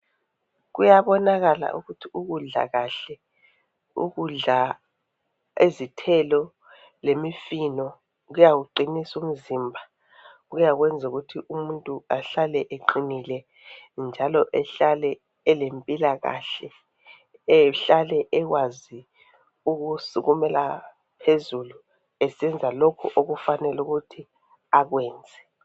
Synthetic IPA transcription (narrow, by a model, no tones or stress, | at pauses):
ɣujaβɔnaɣala̰ʔuɣutʰiuɣuɮa̰ɣaɬɛ | ṵɣuɮa | ezitʰɛlɔ | lemifinɔ | ɣujawuǃinisumiziːmbʱa | ɣujaɣwɛnd͡zʱuɣutʰiʔumuntʼuaɬalɛʔeǃinilɛ | nd͡ʒʱalɔʔɛɬalɛː | lempʼilaɣa̰ɬɛ | ɛɬalɛʔɛɣwazi | uɣusuɣumɛla̰ | pʰezulu | ɛsɛnd͡zʱalokʰuʔoɣufanɛluɣutʰi | aɣwɛːnd͡zʱɛ